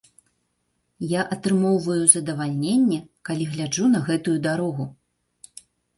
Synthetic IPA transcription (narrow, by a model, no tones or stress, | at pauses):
jaʔɐt̪ɾɨmɔwvɐjuzɐd̪ɐvalʲnʲenʲːɛkalʲiɣlʲad͡ʐun̪ɐɣɛt̪ujud̪aɾɔɣu